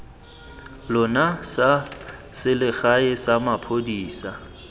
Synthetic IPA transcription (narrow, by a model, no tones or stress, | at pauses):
lʊnasasɪlɪɣaɪsamapʰodiːsa